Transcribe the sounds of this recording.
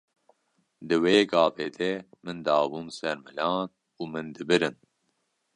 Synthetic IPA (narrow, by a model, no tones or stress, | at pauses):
d̪ɨweːɡɑːbeːd̪ɛmɨnd̪ɑːbuːmsɛɾmɨlɑːn | uːmɨnd̪ɨbɨɾɨn